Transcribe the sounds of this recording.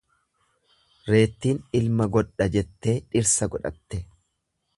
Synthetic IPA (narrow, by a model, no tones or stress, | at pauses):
ɾe̞ːt̪ːiːnɪlmɐɡɔᶑːɐd͡ʒɛt̪ːe̞ːᶑɪɾsɐɡɔᶑɐ̰t̪ːɛ